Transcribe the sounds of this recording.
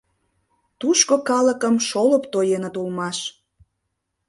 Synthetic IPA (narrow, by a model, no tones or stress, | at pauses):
t̪uʃkokɑləkəmʃoləpt̪ojenət̪ulmɑʃ